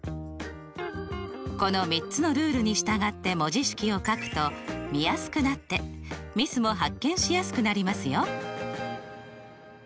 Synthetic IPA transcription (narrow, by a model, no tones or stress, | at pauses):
ko̞no̞mʲitt͡sɨno̞ɾɯ̟ːɾɯ̟ɲ̟iɕi̥t̪aɡat̪ːe̞mo̞ʑiɕi̥kʲio̞kakɯ̟̥t̪o̞mʲijasɨ̥kɯ̟nat̪ːe̞mʲisɨmo̞ɦakːẽ̞ɰ̃ɕijasɨ̥kɯ̟naɾʲimasɨjo